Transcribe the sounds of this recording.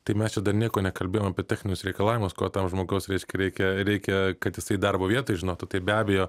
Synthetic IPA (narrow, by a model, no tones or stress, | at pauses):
t̪ɐɪmʲɛst͡ʃʲɛd̪ɐrnʲiɛkoːnʲɛkɐlʲbʲeːjoːmɐpʲeɛtʲæːxʲnʲɪnʲʊsɾʲɛɪkɐlˠɑːʋʲɪmʊskoːt̪ɐmʒmoːɡɐʊsɾʲɛɪʃʲkʲɛɾʲɛɪkʲɛɾʲɛɪkʲɛkɐt̪jɪsɐɪd̪ɐrboːʋʲiɛt̪oːɪʒʲɪnoːt̪ʊt̪ɐɪbʲæːbʲɛjoː